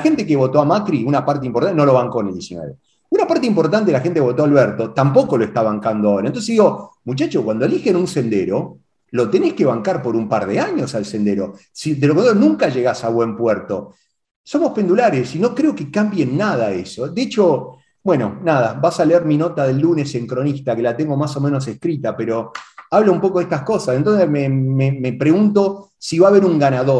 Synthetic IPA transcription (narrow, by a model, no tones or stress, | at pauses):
laxe̞nt̪ek̬eβo̞t̪oamat̪ɾiunapaɾt̪eimpoɾt̪anoloβaŋkoeneld̪jesinweβe | unapaɾt̪̬eimpoɾt̪ant̪eelaxent̪ekeo̞t̪oalβɛɾt̪ot̪ampo̞ko̞loest̪aβaŋkand̪oaoɾaent̪oseðiɣomut͡ʃat͡ʃokwand̪oelixenunse̞nd̪ḛɾo | lo̞t̪e̞neskeβaŋkaɾpo̞ɾumpaɾðeaɲo̞salsend̪eɾo | sid̪elokoneonũŋkaʒeɣasaβwe̞mpwɛɾt̪o | so̞mo̞hpend̪ulaɾesino̞kɾeo̞kekambjenːaðaḛsod̪eet͡ʃo̞ | bwe̞no̞̰naðabasaleeɾmino̞t̪aðe̞lːune̞se̞ŋkɾo̞nist̪akelat̪eŋɡomaso̞mẽno̞s̬e̞hkɾit̪apeɾoaβloumpo̞k̬oeht̪ahko̞sasent̪o̞nsesmememepɾeɣunt̪o̞ | siβaːβeɾuŋɡanaðo